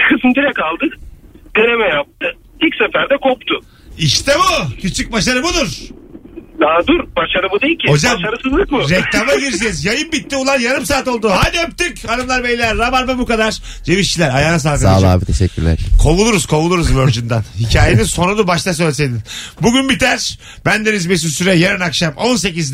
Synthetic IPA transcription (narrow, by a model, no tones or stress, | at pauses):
kʰɯsɯmd̪iɾɛkalˠd̪ɯkd̪̥eɾemɛjap̚t̪ɯ | ilʲcʲsɛfæɾd̪ɛkʰop̚t̪ʰʊ | iʃt̪ʰɛbucʰyt͡ʃʰyc̚baʃaɾɯbud̪uɾ̥ | d̪aːd̪uɾbaʃaɾɯbud̪ejilʲcʰihod͡ʒaaʃaɾɯsɯzlˠɯkmʊɾeklamaɟiɾd͡ʒɛzjajɯmbit̪ːiulˠaɾjaɾɯmsaːt̪o̞lˠd̪uɦanøp̚t̪ycad̪ɯmlˠaɾbelʲilːʲæɾːabaɾvabukad̪aɾ̥ | d͡ʒeviʃt͡ʃʰilʲæɾajaːnas̬alˠkaaːlˠa̰ːbit̪ʰeʃɛ̰cːylʲæ̰ɾkʰo̞lˠulˠuɾuz̥kʰo̞lˠulˠuɾuzvøɾd͡ʒynd̪anhicʰaːjeninso̞nunubaʃt̪ʰas̬ølʲs̬ed̪inbuɟynbit̪ʰæɾ̥ | bænd̪enizbes̬ysyɾɛjeɾɯnakʃamo̞nse̞ciz